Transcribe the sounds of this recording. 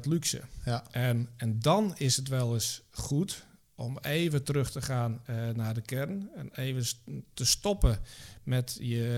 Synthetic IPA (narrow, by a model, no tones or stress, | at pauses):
tlyksə̰ʔɛnɛndɔnɪsətʋɛlˠəsχut | ɔmeːvətərɵxtəχaːnːadəkɛrnɛ̰neːvətəstɔpəmɛtjə